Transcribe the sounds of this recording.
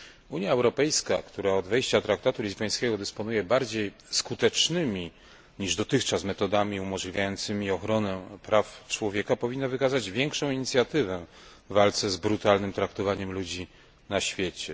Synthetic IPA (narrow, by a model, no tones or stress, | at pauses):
uɲjaɛwɾɔpɛjskakt̪uɾaɔd̪vɛjɕt͡ɕat̪ɾak̚t̪at̪ulʲizbɔj̃skʲɛɡɔd̪ɛspɔnujɛbaɾd͡ʑejskut̪ɛt͡ʂnɘmʲi | ɲiʐd̪ɔt̪ɘxt͡ʂasmɛt̪ɔd̪amʲiumɔʐlʲivʲjajɔnt̪sɘmʲiɔxɾɔnɛpɾaft͡ʂwɔvʲjɛkapɔvʲinːavɘkazad͡ʑvʲjɛŋkʂɔ̃w̃iɲit̪sʲjat̪ɘvɛ | vːalt̪sɛzbɾut̪alnɘmt̪ɾak̚t̪ɔvaɲɛmlud͡ʑi | naɕfʲjet͡ɕɛ